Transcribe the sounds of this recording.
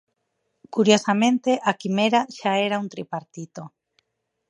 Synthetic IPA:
kuɾjosamẽnt̪eʔakimeɾaʃaeɾaunt̪ɾipaɾt̪it̪o

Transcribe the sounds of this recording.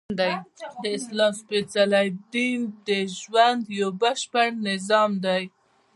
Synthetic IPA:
d̪ajd̪əɪslɑmspet͡salajd̪ind̪əʒwand̪jawbaʃpəɽnɪzɑmd̪aj

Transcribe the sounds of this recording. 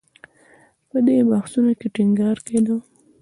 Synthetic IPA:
pəd̪ebaxsunokeʈiŋɡɑɾked̪ə

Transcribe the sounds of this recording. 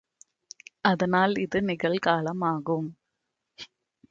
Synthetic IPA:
ɐðɐnaːlɪðɯnɪɣɐɭkaːlɐmaːɣɯm

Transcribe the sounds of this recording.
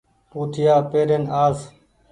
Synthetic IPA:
puːt̪ʰɪjaːpeːɾeːnaːz

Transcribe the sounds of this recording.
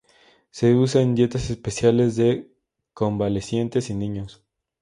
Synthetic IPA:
se̞us̬aend̪je̞t̪ase̞spesjale̞zðe̞ | ko̞mbalesje̞nt̪e̞sinĩɲos

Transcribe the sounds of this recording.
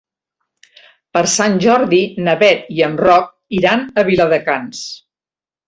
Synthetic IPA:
pəɾsanʲʒɔɾðinəβɛt̪iənrɔk̚iɾanəβiləðəkans

